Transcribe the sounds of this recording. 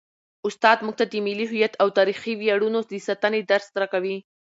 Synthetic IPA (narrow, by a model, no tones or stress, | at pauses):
ʊst̪ɑd̪muɡ̚t̪ad̪əmɪliɦʊjat̪awt̪ɑɾixiwjaɽunod̪əsat̪aned̪aɾst̪ɾakawi